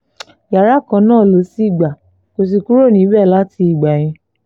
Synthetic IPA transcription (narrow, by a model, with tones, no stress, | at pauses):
ja˨ɾa˨˦kã˨˧˦nãː˦˨lo˨˦si˦i˦˨ɡ͡ba˨ | ko˧s̬i˧ku˦ɾo˦˨nĩ˨˦bɛ˦˨la˦ti˧i˦˨ɡ͡ba˨j̃ĩ˧